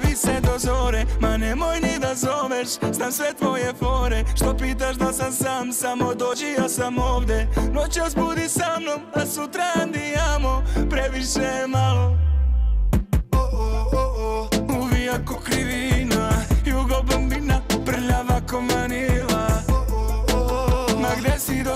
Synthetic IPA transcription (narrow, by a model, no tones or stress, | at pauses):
ʋisɛd̪ozoɾemanemojnid̪azoʋeʃznamsʋet̪ʋo̞jefo̞ɾeʃt̪opiːt̪̬aʃd̪asamsamsamo̞d̪oːd͡ʒijasamoːʋd̪ʲjenot͡ɕosbud̪isamno̞masut̪ɾand̪ijamopɾeʋiʃemalo | uʋijakokɾiʋinajuɡobambinapr̩ʎaʋakomanila | maɡd̪esid̪o